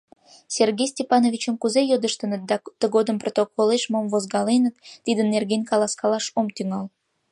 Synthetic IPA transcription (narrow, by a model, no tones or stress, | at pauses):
serɣʲejsʲtʲepɑnovʲit͡ɕəmkuzejod̪əʃt̪ənət̪̚d̪ɑt̪əɣod̪əmprot̪okʰoleʃmomvozɡɑlenət̪ːid̪ənːerɣenʲkɑlɑskɑlɑʃomt̪yŋɑl